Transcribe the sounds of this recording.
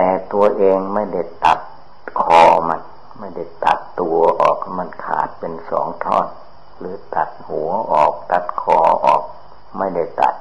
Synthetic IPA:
t̪ɛː˨˩t̪u˧ɐʔeː˧ŋma˥˩jda˥˩jt̪a˨˩t̪̚ | kʰɔː˧ma˧n | ma˥˩jda˥˩jt̪a̰˨˩t̪ːu˧˩ɐʔɔː˨˩k̚ma˧˥˩nkʰa̰ː˨˩t̪̚pe˧nsɔ̰ː˩˦ŋt̪ʰɔː˥˩n | lɯː˨˦t̪a˨˩t̪̚hu˨˩˦əʔɔː˨˩k̚t̪a˨˦t̪kʰɔː˧ʔɔ̰ː˨˩k̚ | ma˥˩jda˥˩jt̪a̰˨˩t̪̚

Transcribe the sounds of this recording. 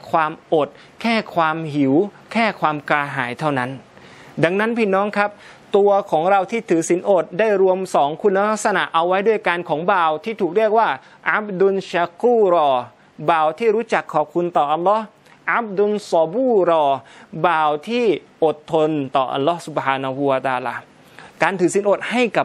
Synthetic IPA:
kʰwaː˧mʔo˨˩t̪̚ | kʰɛː˥˩kʰwaː˧mhi˩˦w | kʰɛː˥˩kʰwaː˧mkaː˧ɦaː˩˦jt̪ʰa˥˩wna˦˥n | da˧ŋna˦˥npʰiː˥˩nɔː˦˥ŋkʰa˦˥p̚ | t̪u˧ɐkʰɔː˩˦ŋɾa˧wt̪ʰiː˥˩t̪ʰɯː˩˦si˩˦nʔo˨˩t̪̚daː˥˩jɾu˧əmsɔː˩˦ŋkʰu˧nːa˧la˦˥k̚sa˧na˨˩ʔa˧wːa˦˥jdu˥˩əjka˧nkʰɔː˩˦ŋbaː˨˩wt̪ʰiː˥˩t̪ʰuː˨˩k̚ɾi˥˩ək̚waː˥˩ | ʔa˦˥b̚du˧nɕa˧kuː˥˩ɾɔː˧ | baː˨˩wt̪ʰiː˥˩ɾuː˦˥t͡ɕa˨˩kʰːɔː˨˩p̚kʰu˧nt̪ɔː˨˩ʔa˧lːɔ˦˥h | ʔa˦˥b̚du˧nsɔ˧buː˥˩ɾɔː˧baː˨˩wt̪ʰiː˥˩ | ʔo˨˩t̪ʰːo˧nt̪ɔː˨˩ʔa̰˧lːɔː˦˥su˨˩b̚haː˧na˧hu˧wa˧t̪aː˧laː˧ | kaː˧nt̪ʰɯː˨˩˦si˨˩˦nʔoː˨˩t̪̚ha˥˩jka˨˩p̚

